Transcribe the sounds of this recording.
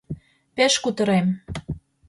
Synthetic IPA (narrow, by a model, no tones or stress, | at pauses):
peʃkut̪ə̆ɾem